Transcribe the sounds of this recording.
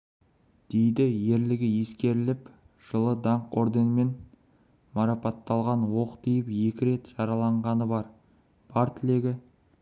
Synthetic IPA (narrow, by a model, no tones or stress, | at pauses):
d̪̥e̞jd̪ɪje̞ɾlɪɡʲɪje̞skʲe̞ɾɪlɪp | ʒ̥əlˠəd̪ɑɴqo̞̰ɾd̪enme̞n | mɑɾɑpɑt̪ːɑlˠʁɑnwo̞qt̪ijɪpje̞kʲɪɾe̞t̪ʒ̥ɑɾɑlˠɑɴʁɑnəbɑɾ | b̥ɑɾt̪ʰɪle̞ɡʲɪ